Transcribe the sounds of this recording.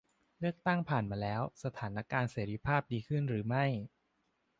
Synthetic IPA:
lɯ˥˩ək̚t̪a˥˩ŋpʰaː˨˩nmaː˧lɛː˦˥wsa˧t̪ʰaː˩˦nʔa˦˥kaː˧nseː˩˦ɾi˦˧˥pʰaː˥˩p̚diː˧kʰɯ˥˩nɾɯː˩˦ma˥˩j

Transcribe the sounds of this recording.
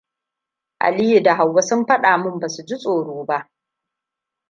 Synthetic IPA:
ʔa̰˨li˦ji˨da˨ɦa˨wːɐ˦sʊ˦mɸɐ˦ɗaː˨mʊ˦mbaː˨su˨d͡ʒi˦sʼoː˨ɽoː˦ba˦ʔ

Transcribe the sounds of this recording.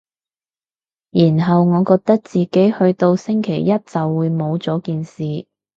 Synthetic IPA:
jiː˨˩nɦɐ˨wŋɔː˨˧kɔː˧k̚t̪ɐ˥k̚t͡siː˨ke˨˥jhɵ˧ɥt̪o˧wsɪ˥ŋkʰe˨˩jːɐ˥t̚t͡sɐ˨wːuː˨˧jmo˨˧wt͡sɔː˨˥kiː˨nsiː˨

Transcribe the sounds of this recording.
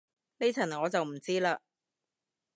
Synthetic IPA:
ne˥t͡sʰɐ˨˩nŋɔː˨˧t͡sɐ˨wm̩˨˩t͡siː˥laː˧

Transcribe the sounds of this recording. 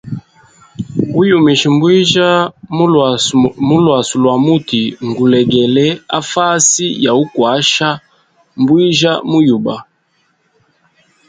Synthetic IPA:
u˦ju˨mi˨ʃi˨mbwi˦ʒa˦ | mu˦lwa˨su˨lwa˨mu˦ti˨ŋɡu˨lɛ˨ɡɛ˨lɛ˦a̰˦fa˦si˦ja˨u˦kwa˨˦ʃa˦ | mbwi˦ʒa˦mu˦ju˨ba˨

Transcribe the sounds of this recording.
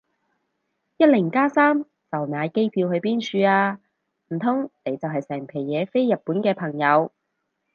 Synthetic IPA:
jɐ˥t̚lɪ˨˩ŋkaː˥saː˥m | t͡sɐ˨˩wnaː˨˧jke˥jpʰiː˧whɵ˧ɥpiː˥nt͡ʃʰyː˧aː˧ | m̩˨˩t̪ʰʊ˥ŋne˨˧jt͡sɐ˨wɦɐ˨jsɛː˨˩ŋpʰe˨˩jjɛː˨˥fe˥jːɐ˨t̚pːuː˨˥nkɛː˧pʰɐ˨˩ŋjɐ˨˧w

